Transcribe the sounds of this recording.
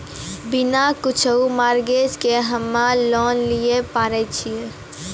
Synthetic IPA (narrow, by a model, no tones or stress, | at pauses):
binakut͡ʃʰəumaɾɡed͡ʒkeɦəmːalɔnlijepaɾɛt͡ʃʰie